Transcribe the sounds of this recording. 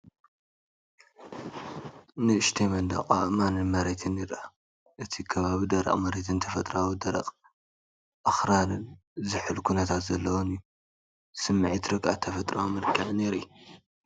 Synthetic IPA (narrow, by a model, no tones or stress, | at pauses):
nɨɨʃt̪ʰemɐnd̪ɐ̰qʼa̰ʔmanɨnmɐɾet̪ʰɨniɾʔa | ʔɨt̪ʰikʰɐβaβid̪ɐɾɐ̰qʼmɐɾe̞t̪ʰɨnt̪ʰɐfɐt̪ʼɾawid̪ɐɾɐ̰qʼ | ʔɐxɾaɾɨn | zɨħɨlkʰunɐt̪ʰat̪zɐlːɐwonɨjːu | sɨmːɨʕit̪ɾɨɡʔa̰t̪ʰɐfɐt̪ʼɾawimɨɾkʰɐβneɾiju